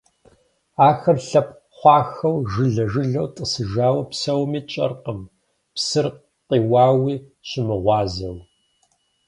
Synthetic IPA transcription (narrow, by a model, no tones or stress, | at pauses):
aːxɐrɬɐp̚ | χʷɑːxɐwʒɨɮɐʒɨɮɐwtʼɨsɨʒaːwɐpsɐwmiːt͡ʃʼɐ̰rqəm | psɨr | qʼiːwɑːwiːɕɪmɨʁʷɑːzɐ̰w